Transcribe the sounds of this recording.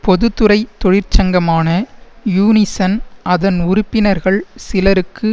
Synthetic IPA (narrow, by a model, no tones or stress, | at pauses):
pɔðɯt̪ːɯɾɐɪt̪ːɔɻɪɾt͡ʃɐŋɡɐmaːnɐjuːnɪsɐnɐðɐnʊɾʊpːɪnɐɾɣɐɭsɪlɐɾɯkːɯ